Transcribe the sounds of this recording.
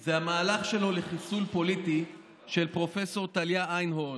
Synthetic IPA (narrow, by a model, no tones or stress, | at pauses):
zeamaːlaχʃe̞lo̞leχisulpo̞lit̪i | ʃelpʁo̞fe̞so̞ʁt̪aljaajnɦo